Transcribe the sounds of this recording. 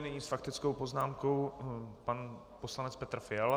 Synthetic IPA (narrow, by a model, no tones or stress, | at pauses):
nɛɲiːsfakt̪ɪt͡skowpo̞znaːmko̞wpan | po̞slanɛt͡spɛt̪r̩fɪal